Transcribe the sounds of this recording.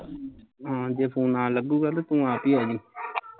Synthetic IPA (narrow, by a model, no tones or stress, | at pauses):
ɦãːd͡ʒeːpʰũːnãːləɡuːɡaːt̪aːt̪ũːaːpiːɦɛːd͡ʒi